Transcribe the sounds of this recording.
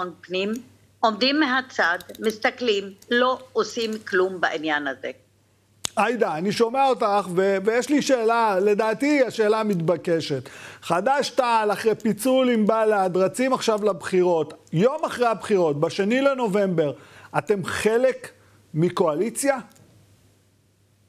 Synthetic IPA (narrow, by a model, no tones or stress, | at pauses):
onpnim | omd̪imːeɦat͡sad̪mist̪aklimloosimklumbaʔinjanazḛ | ajd̪aːniʃo̞meaotaχvevejeʃliʃe̞ːlale̞daːtiaʃe̞ːlamitbake̞ʃe̞t̪χadaʃtalaχʁejpit͡sulimbaleadʁat͡simaχʃavlabχiʁo̞tjo̞maχʁejhabχiʁo̞t̚baʃenile̞no̞ve̞mbe̞ʁate̞mχe̞le̞k | miko̞alit͡sja